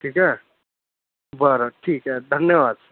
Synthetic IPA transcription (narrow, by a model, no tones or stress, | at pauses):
ʈʰiːkɦɛ | bʌɾɔʈʰiːkɦɛd̪ʱənjəwaːd̪̚sʰ